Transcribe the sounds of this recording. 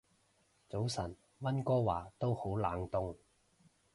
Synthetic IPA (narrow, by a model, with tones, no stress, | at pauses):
t͡so˨˥wsɐ˨˩n | wɐ˥nkɔː˥waː˨˩t̪o˥who˨˥wlaː˨˥ŋt̪ʊ˥ŋ